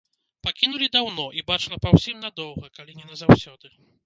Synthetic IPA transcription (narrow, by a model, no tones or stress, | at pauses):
pakʲinulʲid̪awnɔʔibat͡ʂɨlˠɐpawsʲimnad̪ɔwɣɐkalʲinʲɛnɐzawsʲɔd̪ɨ